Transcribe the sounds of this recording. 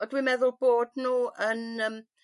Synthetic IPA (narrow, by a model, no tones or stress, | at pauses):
ɔdwimɛðʊlˠboːdnuːənəːm